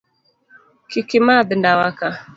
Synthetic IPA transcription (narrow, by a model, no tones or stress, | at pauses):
kɪkɪmabɪndawaka